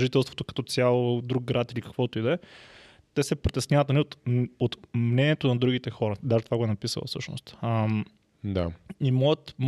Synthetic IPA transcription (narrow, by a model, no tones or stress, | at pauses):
ʒit̪ɛlˠst̪vo̥t̪okɐt̪ɔt̪sʲjalˠod̪ɾuk̚ɡɾat̪ilikɐ̥kvɔt̪oid̪ɛ | t̪ɛsɛpɾit̪ɛsnʲavɐt̪ɐnɛot̪ot̪mnɛnʲiɛt̪onɐd̪ɾuɡit̪ɛxɔɾəd̪aʒɛt̪vaɡoɛnɐpisə̰lˠɐ̰fsɤʃno̰st̪m | d̪a̰imɔɡət̪m